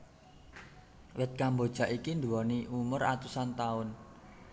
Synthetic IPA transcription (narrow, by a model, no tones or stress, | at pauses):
wɪt̪̚kambod̥ʒ̥a̤ʔikind̪uwɔniʔumʊra̰t̪usant̪aʊn